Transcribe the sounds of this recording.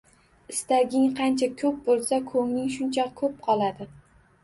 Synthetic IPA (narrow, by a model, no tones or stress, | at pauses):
ɪst̪aɡʲɪŋqʰɑnt͡ʃʰakʰɵp̚bolˠsakʰɵŋnɪŋʃʊnt͡ʃʰɒq̚kʰɵp̚qʰɒlˠad̪ɪ